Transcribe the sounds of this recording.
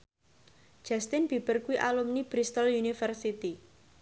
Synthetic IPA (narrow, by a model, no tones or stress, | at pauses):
d͡ʒ̥a̤st̪ɪnb̥i̤b̥ərkuwiʔalumnib̥ɾist̪əljunifərsit̪i